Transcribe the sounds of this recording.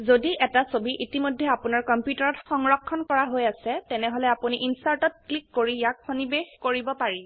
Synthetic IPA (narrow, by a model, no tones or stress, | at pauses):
zodiʔɛtasobiʔitimojdʱːɛapunaɹkɔmpjutaɹɔtxɔŋɹɔkʰːɔnkɔɹaɦojasɛtɛnɛɦɔlɛapuniʔinsaɹtɔt̚klikːoɹijak̚xonibexkoɹibɔpaɹi